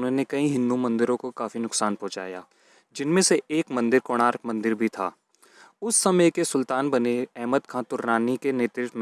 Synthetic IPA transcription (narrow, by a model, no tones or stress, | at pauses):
nɦõnekɐĩɦɪ̃nd̪umɐ̃nd̪ɪɾõkokaːfinʊksaːnpɔ̃ɦt͡ʃa̰ːja̰ː | d͡ʒɪnmẽseeːkmɐ̃nd̪ɪɾkoːɽ̃aːɾkmɐ̃nd̪ɪɾbʱit̪ʰa̰ː | ʊsːɐməjkesʊlt̪aːnbɐneɛɦməd̪kʰãːt̪ʊɾːaːnikeneːt̪ɾɪt̪m̃